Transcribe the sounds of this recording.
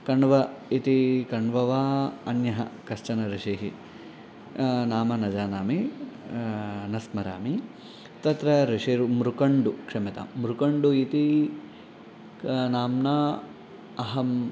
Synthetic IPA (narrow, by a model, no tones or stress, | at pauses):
kɐɳʋɐit̪ikɐɳʋɐʋaːɐnjɐɦɐkɐʃt͡ʃɐnɐɾiʂiɦi | naːmɐnɐd͡ʒaːnaːmi | nɐsmɐɾa̰ːmi | t̪ɐt̪ɾɐɾiʂiɾumɾukɐɳɖukʂɐmɐt̪ɐ̰mmɾukɐɳɖuit̪i | naːmnaː | ɐɦɐm